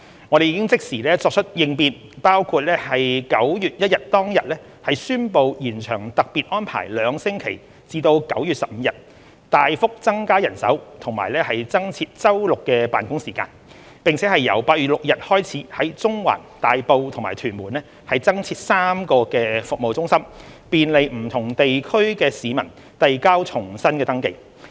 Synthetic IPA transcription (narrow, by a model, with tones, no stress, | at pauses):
ŋɔː˨˧ɾe˨jiː˨˧kɪ˥ŋt͡sɪ˥k̚siː˨˩lɛː˥t͡sɔː˧k̚t͡ʃʰɵ˥t̚jɪ˨˧ŋpiː˨˧n | paː˥wkʰuː˧t̚lɛː˥hɐ˨jkɐ˨˥wjyː˨t̚jɐ˥t̚jɐ˨t̚t̪ɔː˥ŋjɐ˨t̚lɛː˥ | hɐ˨jsyː˥npo˨˧wjiː˨˩nt͡ʃʰœː˨˩ŋt̪ɐ˨k̚piː˨t̚ʔɔː˥npʰa̰ː˨˩jlœː˨˧ŋsɪ˥ŋkʰe˨˩j | t͡siː˧t̪o˧wkɐ˨˥wjyː˨t̚sɐ˨p̚m̩˨˧˦jɐ˨t̚ | t̪aː˨jfʊ˥k̚t͡sɐ˥ŋkaː˥jɐ˨˩nsɐ̰˨˥wt̪ʰʊ˨˩ŋma̰ː˨˩jlɛː˥hɐ˨jt͡sɐ˥ŋt͡sʰiː˧t̚t͡sɐ˥wlʊ˨kːɛː˧paː˨nkʊ˥ŋsiː˨˩kaː˧n | pɪ˨ŋt͡sʰɛː˨˥hɐ˨jːɐ˨˩wpaː˧t̚ɥyː˨t̚lʊ˨k̚jɐ˨t̚hɔː˥jt͡sʰiː˨˥hɐ˨˥jt͡sʊ˥ŋwa̰ː˨˩nt̪aː˨jpo˧wt̪ʰʊ˨˩ŋmaː˨˩t̪ʰyː˨˩nmuː˨˩nlɛː˥ | hɐ˨jt͡sɐ˥ŋt͡sʰiː˧t̚saː˥mkɔː˧kɛː˧fʊ˨k̚mo˨wt͡sʊ˥ŋsɐ˥mpiː˨nle˨˧jm̩˨˩t̪ʰʊ˨˩ŋt̪e˨jkʰɵ˥ɥkɛː˧siː˨˧mɐ̰˨˩n | t̪ɐ˨jkaː˥wt͡ʃʰʊ˨˩ŋsɐ˥nkɛː˧t̪ɐ˥ŋke˧j